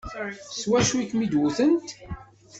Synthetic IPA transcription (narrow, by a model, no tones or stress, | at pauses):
swæʃwikmid̪wuθənt̪